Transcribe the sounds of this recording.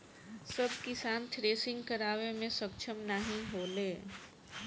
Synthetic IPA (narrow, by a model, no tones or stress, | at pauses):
sɐbkɪsaːnt̪ʰɾeːsɪ̃ŋɡkəɾaːʋemẽsəkt͡ʃʰəmnəɦĩɦoːleː